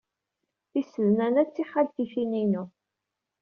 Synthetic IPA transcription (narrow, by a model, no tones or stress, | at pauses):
θisəðnænæt͡sːiħalθifininu